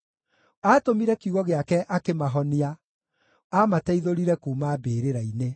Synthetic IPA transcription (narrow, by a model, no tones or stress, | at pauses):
aːtomiɾɛkjuɣɔɣeakɛʔakemaɦɔnia | amatɛiðoɾiɾɛkuːmaːbeːɾeɾaine